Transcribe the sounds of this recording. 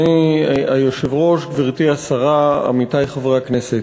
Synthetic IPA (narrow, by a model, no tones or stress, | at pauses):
iajoʃevʁo̞ʃɡviʁt̪iasaʁaa̰mitajχavʁeakneset